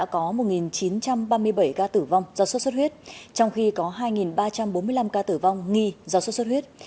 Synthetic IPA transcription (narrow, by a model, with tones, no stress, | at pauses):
a̰ː˧˥kɔ˨˦mo˨˩t̚ŋi˨˩nt͡ɕi˨˦nt͡ɕa˧mɓaː˧mɨ˧əjɓə˧˩jkaː˧t̪ɨ˧˩va˧wŋ͡mzaː˧wsə˦˥sə˦˥t̚hwi˦˥t̚t͡ɕɔ˧wŋ͡mxi˧kɔ˨˦ɦaː˧jŋi˨˩nɓaː˧t͡ɕa˧mɓo˨˦nmɨ˧əjla˧mkaː˧t̪ɨ˧˩va˧wŋ͡mŋi˧zaː˧wst̚swt̚wi˦˥ət̚